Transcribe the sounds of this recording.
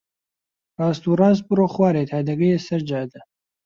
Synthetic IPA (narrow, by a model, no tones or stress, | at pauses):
rɑːst̪urɑːs̬̚bɨroːχwaːɾet̪ʰad̪ɐɡɐjɛsɐɾd͡ʒaːd̪ɐ